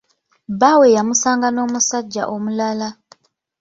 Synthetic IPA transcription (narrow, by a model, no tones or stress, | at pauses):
bawejamusaːŋɡano̞ːmusaɟːa̰ʔomulala